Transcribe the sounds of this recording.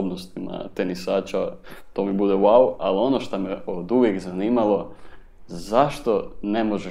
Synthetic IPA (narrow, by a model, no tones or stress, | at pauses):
obnost̪ima̰t̪enisaːt͡ʃat̪o̞ːmibud̪ewaualio̞noʃt̪omeod̪uʋjekzaniːmalo̞ | zaʃt̪o̞ne̞moʒe